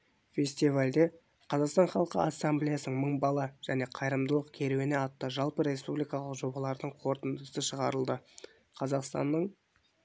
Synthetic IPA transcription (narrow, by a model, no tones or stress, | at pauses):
fʲe̞sʲt̪ivalʲd̪e̞ | qʰɑzɑqst̪ɑnχɑlˠqə̰asːamblʲijasənəɴməɴbɑlˠɑʒ̥æne̞qʰɑjɾəmd̪əlˠəqkʲʰe̞ɾweneɑt̪ːəʒɑlˠpəɾe̞spublijkɑlˠəqʒo̞bɑlˠɑɾd̪əɴqʰo̞ɾt̪ənd̪əsəʃəʁɑɾəlˠd̪ə | qʰɑzɑqst̪ɑ̰nːəɴ